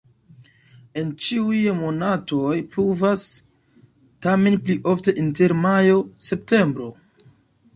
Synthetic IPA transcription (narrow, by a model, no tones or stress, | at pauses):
e̞nt͡ʃiujmo̞nato̞jpɾuvas | tame̞npliʔo̞fte̞ʔinte̞ɾmajo̞se̞p̚te̞mbɾo̞